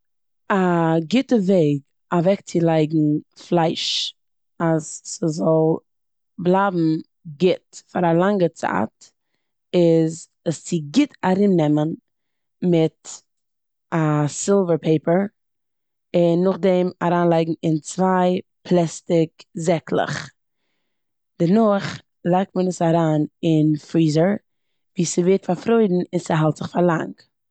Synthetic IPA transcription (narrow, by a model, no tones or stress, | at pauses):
aɡɪtəveɪɡ | avɛk̚t͡sɪlˠaɪɡŋ̩flˠaɪʃ | asːəzɔlˠ | blˠaːbm̩ | ɡɪtfaɾalˠaŋɡət͡sa̰ːt | ɪz | əst͡sɪɡɪtʰaɾɪnːɛmən | mɪt | asɪlˠvəɾpʰeɪpəɹ | ɪnːʊχdɛmaɾaːnlˠaɪɡŋ̩ɪnt͡svaɪpʰlˠɛstɪkzɛklˠɪ̰χ | d̥ɛnɔχ | lˠaɪk̚tmənəsaɾaːnɪnfɾiːzəɹ | viːsəveɪɾtfaɾfɾoɪdn̩ɪnsɪɦalˠtz̥ɪχfaɾlˠa̰ŋk